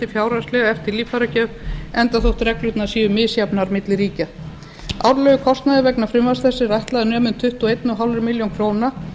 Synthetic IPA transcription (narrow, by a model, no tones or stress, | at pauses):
t̪ɪ̥fjaːwɾastlɛɣaɛft̪ɪɾliːfaɾacœːvɛnt̪aθowht̪rɛklʏt̪nasiːʏmɪːsjapnaɾmɪt̪lɪɾiːca | a̰wɾlœːɣʏkʰɔst̪naðɪvɛknafɾʏmvasθɛsːɪrajht̪laðɪnœːmʏnt̪ʰʏht̪ɔejt̪nʏɦawlɾʏmɪljowŋkʰɾoːwna